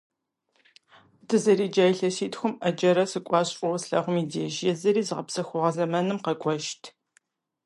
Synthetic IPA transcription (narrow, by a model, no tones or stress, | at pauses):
dɨzɐɾiːd͡ʒaːjɬɐsiːtxʷʊmɐd͡ʒɐɾɐsɨkʷʼɑːɕʼɔwɐsɬɐ̰ʁʷʊmideʒjɛzɐɾiːzɨʁɐpsɐxʷʊʁɐzɐmɐnɨmqɐkʷʼɔʃtʰ